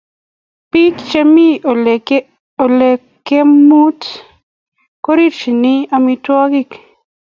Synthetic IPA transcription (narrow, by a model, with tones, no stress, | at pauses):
pi˦kt͡ʃe˦mi˦˨ | o˨le˨ | kːe˦mu˦t | ko˦ɾi˦ɾt͡ʃi˨nɪ˦a˧mi˧twɔ˦ɡi˦k